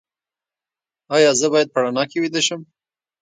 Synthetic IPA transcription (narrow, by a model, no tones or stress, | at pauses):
ɑjɑzəbɑjad̪̚paɽanɑkewid̪əʃəm